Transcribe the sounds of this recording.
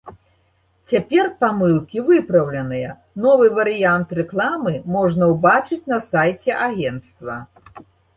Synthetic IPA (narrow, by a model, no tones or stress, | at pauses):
t͡sʲapʲɛrpamɨlˠkʲivɨpɾɐwlʲɛnɨjɐ | nɔvɨvɐɾɨjant̪rɛklˠamɨmɔʐnɐwbat͡ʂɨt͡sʲnɐsajt͡sʲɛʔaɣʲɛnt̪st̪vɐ